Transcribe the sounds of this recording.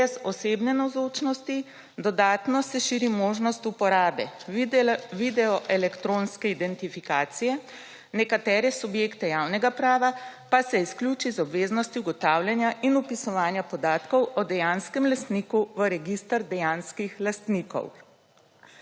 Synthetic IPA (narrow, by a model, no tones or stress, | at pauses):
ɛzɔseːbnɛnawzot͡ʃnɔst̪i | d̪ɔd̪aːt̪nɔsɛʃiːɾimoːʒnɔst̪upɔɾaːbɛ̰ | ʋid̪ɛɔʔɛlɛkt̪ɾonskɛid̪ɛnt̪ifikaːt̪sijɛ | nɛkat̪ɛːɾɛsubjekt̪ɛjaːwnɛɡapɾaːʋapasɛisklʲuːt͡ʃizɔbʋeːznɔst̪iuɡɔt̪awlʲjanjaʔinupisɔʋaːnjapɔd̪aːt̪kɔwʔɔd̪ɛjanskɛmlast̪niːkuʋəɾɛɡist̪əɾd̪ɛjanskixlast̪niːkɔ̰w